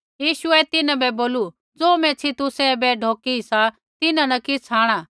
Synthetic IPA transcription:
jiːʃʊɛt̪ɪnãbɛboːlu | d͡zoːmɛ̃t͡sʰit̪ʊsɛbɛɖʱoːkisa | t̪ɪnãnɐkɪt͡sʰaːɽ̃aː

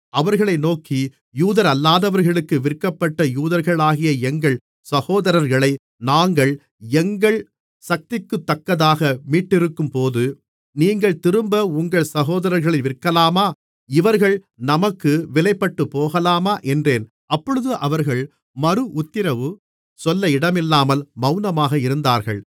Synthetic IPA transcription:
ɐʋɐɾɣɐɭɐɪnoːkʰi | juːðɐɾɐlːaːðɐʋɐɾɣɐɭɯkːɯʋɪrkːɐpːɐʈːɐjuːðɐɾɣɐɭaːɣɪjɐɛŋɡɐɭ | sɐɣoːðɐɾɐɾɣɐɭɐɪ | naːŋɡɐɭ | ɛŋɡɐɭ | sɐk̚t̪ɪkːɯt̪ːɐkːɐðaːɣɐmiːʈːɪɾɯkːɯmpoːðɯ | niːŋɡɐɭt̪ɪɾɯmbɐʊŋɡɐɭsɐɣoːðɐɾɐɾɣɐɭɐɪʋɪrkːɐlaːmaː | ɪʋɐɾɣɐɭ | nɐmɐkːɯʋɪlɐɪpːɐʈːɯpːoːɣɐlaːmaːʔɛndreːn | ʔɐpːɔɻɯðɯʔɐʋɐɾɣɐɭ | mɐɾɯʔʊt̪ːɪɾɐʋɯ | sɔlːɐɪɽɐmɪlːaːmɐlmɐʊnɐmaːɣɐɪɾɯnd̪aːɾɣɐ̰ɭ

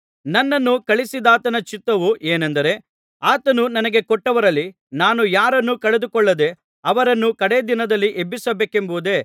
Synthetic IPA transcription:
nɐnːɐnːukɐɭisid̪aːt̪ɐnɐt͡ʃit̪ːɐʋuʔeːnɐnd̪ɐɾe̞ | aːt̪ɐnunɐnɐɡe̞kɔʈːɐʋɐɾɐlːi | naːnujaːɾɐnːukɐɭe̞d̪ukɔɭːɐd̪e̞ | ɐʋɐɾɐnːukɐɽeːd̪inɐd̪ɐlːiʔebːisɐbeːke̞mbuud̪e̞ː

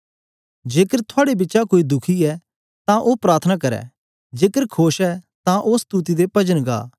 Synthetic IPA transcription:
d͡ʒeːkəɾt̪ʰʊaːɽebɪtːʃakoːid̪ʊkʰiɛ | t̪ãʔopɾaːɾt̪ʰənakɐɾɛ̰ː | d͡ʒeːkəɾkʰoːʃɛt̪ãʔoːst̪uːt̪id̪epɐd͡ʒənɡa̰ː

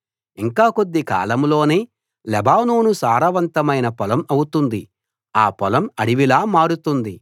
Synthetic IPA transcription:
iŋkaːko̞d̪ːika̰ːlɐmlo̞ːneː | lɛbaːnuːnusaːɾɐʋɐnt̪ɐmɐjnɐpɔlɐmɐwut̪und̪i | aːpɔlɐmɐɽiʋilaːmaːɽut̪und̪i

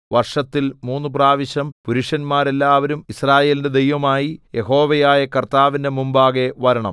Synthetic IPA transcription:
ʋɐrʂɐt̪ːilmuːnːup̬raːʋiɕɐmpuɾuʂɐnmaːɾe̞lːaːʋɐɾumisraːje̞ːlinde̞d̪ejʋɐmaːjije̞ɦo̞ːʋejaːjɐkɐrt̪aːʋinde̞mumbaːɣe̞ʋɐɾɐɳɐ̰m

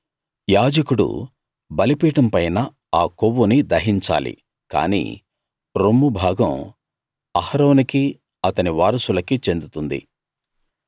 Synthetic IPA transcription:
jaːd͡ʒɐkuɽṵ | bɐlipiːʈɐmpɐjnɐ | aːkoʋːunid̪ɐɦiɲt͡ʃa̰ːlḭ | ka̰ːnḭː | ɾomːubʱaːɡɐm | ɐhɐɾoːniki | ɐt̪ɐniʋaːɾɐsulɐkit͡ʃe̞nd̪ut̪und̪ḭ

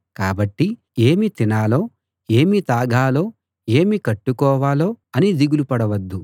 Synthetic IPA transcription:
kaːbɐʈːi | eːmit̪inaːlo̞ː | e̞ːmit̪aːɡʱaːlo̞ː | e̞ːmikɐʈːukɔːʋaːlo̞ːɐnid̪iɡulupɐɽɐʋɐd̪ːu

